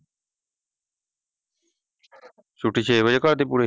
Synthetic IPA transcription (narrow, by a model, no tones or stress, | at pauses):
sʊʈʰːiːt͡ʃʰeːəd͡ʒekəɾd̪eːp̬uːɾe